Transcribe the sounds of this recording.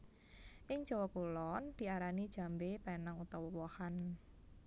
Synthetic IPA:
ʔɪŋ̥ʒ̥ɔwɔkulɔnd̪̥i̤aɾanid̥ʒ̥a̤mbepanaŋut̪ɔwəwɔhan

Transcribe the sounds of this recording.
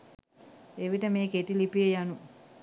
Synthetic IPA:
eʋiʈəmeːkeʈilipijejanu

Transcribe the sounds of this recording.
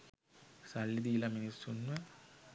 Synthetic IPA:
sɐlːid̪ijilɐminisunːɐ

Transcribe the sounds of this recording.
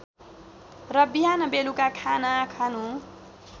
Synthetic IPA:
rʌbiɦanʌbelukakʰanakʰanũ

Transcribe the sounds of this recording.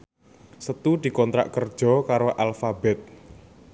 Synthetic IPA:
sət̪ud̪̥i̤kɔnt̪ɾa̰ʔkərd̥ʒ̥ɔ̤kaɾoʔalfabɛt̪̚

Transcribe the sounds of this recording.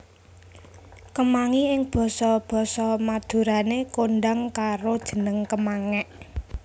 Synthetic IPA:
kəmaŋiɪŋb̥ɔ̤sɔb̥ɔ̤sɔmad̪̥ṳɾanekonɖaŋkaɾod̥ʒ̥ə̤nəŋkəmaŋɛʔ

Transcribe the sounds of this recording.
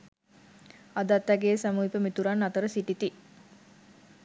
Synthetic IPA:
ad̪at̪ːæɡeːsæmuipəmit̪uɾanːat̪əɾəsiʈit̪i

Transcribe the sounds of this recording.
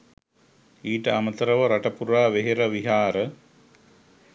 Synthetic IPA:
iːʈəamət̪əɾəʋəɾaʈəpuɾaːʋeɦeɾəʋiɦaːɾə

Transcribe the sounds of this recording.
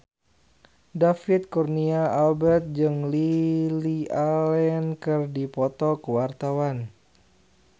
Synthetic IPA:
dafit̪̚kurniaʔalbɛrt̪̚d͡ʒɨŋlilialɛnkɨrdipɔt̪ɔkəwart̪awan

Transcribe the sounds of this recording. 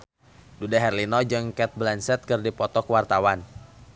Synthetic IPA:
dudaɦɛrlinɔd͡ʒɨŋkɛt̪̚blɛnsɛt̪̚kɨrdipɔt̪ɔkwart̪awan

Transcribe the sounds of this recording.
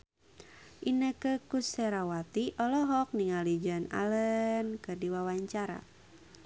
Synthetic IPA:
ʔinəkəkusɛɾawat̪iʔɔlɔɦɔk̚niŋalid͡ʒɔna̰lənkɨrdiwawaɲt͡ʃaɾa̰

